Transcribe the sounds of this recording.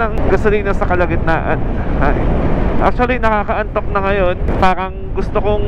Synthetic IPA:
ɐŋɡɐsʊliːnɐsɐkɐlɐɡɪt̪̚na̰ːʔɐ̰nhajʔa̰k̚t͡ʃ̪ʊɐlinɐkaːkɐʔɐnt̪o̞k̚nɐŋɐjo̞npaːɾɐŋɡʊst̪okoŋ

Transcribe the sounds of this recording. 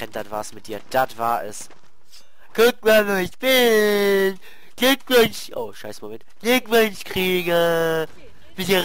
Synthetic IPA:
ɛnd̥atv̥aːɐɛsmɪt̚d̥iːɐd̥atv̥aːɐʔɛ̰s | kʰʊk̚maɐveːɐɪçb̥ɪn | ɡ̥lʏkvønʃʔo̰ʊʃaɪsəmomɛntɡ̥lʏkvønʃkʁ̥iːɡə | v̥ɪniɐ

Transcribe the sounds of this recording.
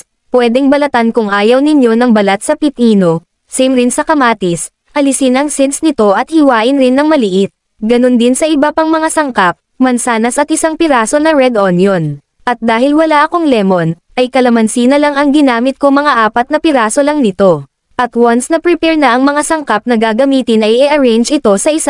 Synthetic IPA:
pwɛd̪ɛŋbɐlɐt̪ankʊŋʔaːjɐwnɪɲjo̞nɐŋbɐlat̪̚sɐpɪt̪iːno̞ | sɛjmɾɪnsɐkɐmaːt̪ɪs | ʔɐlɪsɪnʔɐŋsɛnsnɪt̪o̞ʔɐt̪̚hɪwaːʔɪnɾɪnːɐŋmɐlɪʔɪt̪̚ | ɡɐno̞nd̪ɪnsɐʔɪbapɐŋmɐŋasɐŋkap̚ | mɐnsaːnɐsɐt̪ɪsaŋpɪɾaːso̞nɐɹɛd̪ʔonjon | ʔɐt̪̚d̪aːhɪlwɐlaʔɐko̞ŋlɛmo̞n | ʔɐjkɐlɐmɐnsinɐlɐŋɐŋɡɪnaːmɪt̪̚ko̞mɐŋaʔaːpɐt̪̚nɐpɪɾaːso̞lɐŋnɪt̪o̞ | ʔɐt̪wansnɐpɾɪpɛɹnɐʔɐŋmɐŋasɐŋkap̚nɐɡaɡɐmiːt̪ɪnɐjʔɛʔɐɹɛjnd͡ʒɪt̪o̞sɐʔɪs

